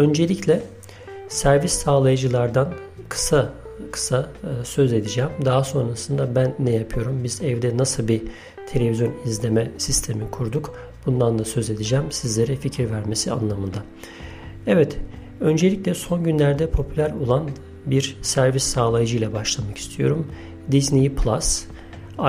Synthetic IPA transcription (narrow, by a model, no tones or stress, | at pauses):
ø̞nd͡ʒe̞lʲiclʲɛ | sæɾvisːaːlˠajɯd͡ʒɯlˠaɾd̪an | kʰɯ̥sakʰɯ̥sasø̞ze̞d̪id͡ʒæːmd̪aɦaso̞nɾasɯnd̪abænːɛjapʰɯjo̞ɾumbizɛvd̪ɛnasɯlˠbi | t̪ʰe̞lʲe̞vizjo̞nizlʲe̞mɛsist̪ʰe̞mikʰuɾd̪uk | b̥und̪and̪ˠasø̞ze̞d̪id͡ʒæːmsizlʲe̞ɾɛficʰiɾvæɾme̞sia̰nlˠamɯnd̪a | ɛvɛt̪ | ø̞nd͡ʒe̞lʲiclʲɛso̞nɟynlʲæɾd̪ɛpʰo̞pʰylʲæɾo̞lˠan | biɾsæɾvisːaːlˠajd͡ʒɯjlʲˠɛbaʃlˠamaki̥st̪ʰijo̞ɾum | d̪iznipʰlˠas